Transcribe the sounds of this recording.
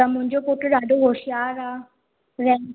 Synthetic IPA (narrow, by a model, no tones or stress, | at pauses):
amʊ̃ɲd͡ʒokoʈɖaːɖoɦoːʃɪjaːɾaː | ɾɛ